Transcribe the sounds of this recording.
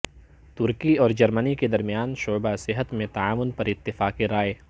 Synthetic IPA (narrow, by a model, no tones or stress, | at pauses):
t̪ʊɾkiɔːɾd͡ʒɐɾməniked̪ɐɾmijaːnʃoːbasɪɦət̪mẽt̪aaːʋʊnpɐɾɪt̪ːɪfaːkeɾaːe